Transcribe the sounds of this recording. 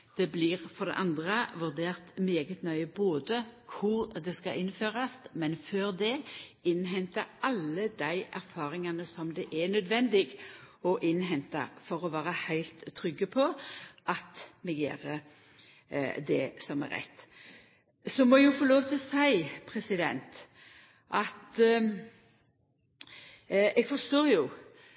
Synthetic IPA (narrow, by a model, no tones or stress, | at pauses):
d̪̥ɛbliʁfɔʁd̪ɛ̰ʔɑnd̪ʁəʋʉʁd̪eːʁt̪meːɡət̪nœʏəboːd̪əkʰʊʁd̪ɛskɑʔɪnføːʁɑsmɛnføːɾd̪ɛɪnɦɛnt̪ɑɾʔɑlːəd̪æɪʔæ̰ɾfɑːɾɪŋɑnəsɔmd̪ɛʔɛnœd̪ʋɛnd̪ɪɡɔʔɪnɦɛnt̪ɑ̰fɔɾɔʋæːɾəhæɪlt̪ʰːɾʏɡːəpʰɔʔɑt̪mɛɡjḛːɾə | d̪ɛsɔmɛ̰ɾɛ̰t̪ː | sɔmɔjʊfoloːʋt̪ʰɪlɔsæɪpʰɾɛsɪd̪ɛ̰nt̪ | ʔɑt̪ | ɛɡfɔɾst̪oːjʊ